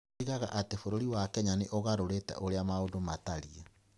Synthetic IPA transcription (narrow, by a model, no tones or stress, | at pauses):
iɣaɣa̰ʔatefoɾoɾiwakɛɲaneʔoɣaɾoɾetɛ̰ʔoɾeamaodomataɾia